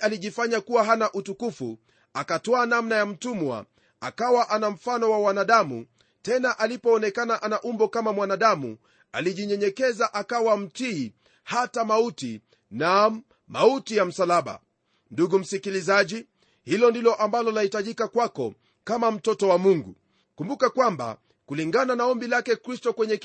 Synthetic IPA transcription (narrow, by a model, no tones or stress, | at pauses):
ʔaliʄifaɲakuwaɦanaʔutukufṵ | akatɔanamnajam̩tumwa̰ | akawaʔanam̩fanɔwawanaɗamṵ | tɛnaʔalipɔːnɛkanaʔanaʔumbɔkamamwanaɗamṵ | aliʄiɲɛɲɛkɛzaʔakawam̩tiː | hatamauti | na | mautijam̩salaɓa̰ | nduɡum̩sikilizaʄi | hilɔndilɔʔambalɔlahitaʄikakwakɔ | kamam̩tɔtɔwamuŋɡṵ | kumbukakwamba̰ | kuliŋɡananaɔmbilakɛkɾistɔkwɛɲɛ